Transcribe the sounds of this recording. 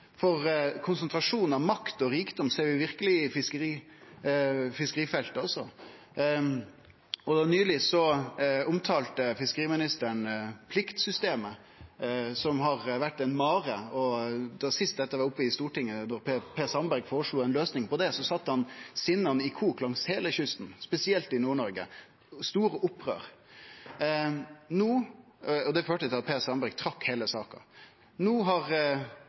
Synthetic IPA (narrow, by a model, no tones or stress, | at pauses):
fɔɾkʰʊnsənt̪ʰɾɑʂuːnn̩ɑʋmɑkt̪ɔɾiːkd̪ɔmseːɾʋɪʋɪɾkəlɪɪfɪskəɾiː | fɪskəɾiːfɛlt̪əɔsːɔ | ɔd̪ɑnyːlɪsɔʊmt̪ʰɑːlt̪əfɪskəɾiːmɪnɪst̪əɳpʰlɪkt̪sʏst̪eːmə | sɔmɦɑɾʋæʈːɛɪnmɑːɾəɔd̪ɑsɪst̪̚d̪ɛt̪ːəʋɑɾʊpːəɪst̪uːʈɪŋːənɔɾppʰeːsɑmbæɾɡfɔːɾəʂɭuːɛɪnløːsnɪŋpɔd̪ɛsɔsɑt̪ːəhɑnsɪnːɑnɪkʰuːklɑŋsheːləçʏst̪n̩spɛsɪɛlt̪ɪnuːɳɔɾɡə̰ | st̪uːɾəʔʊpːʁø̰ːɾ | nuː | ɔd̪ɛføːʈət̪ɪlɑt̪̚pʰeːsɑmbæɾɡt̪ʰɾɑkːheːləsɑːkɑ̰ | nuːɦɑʁ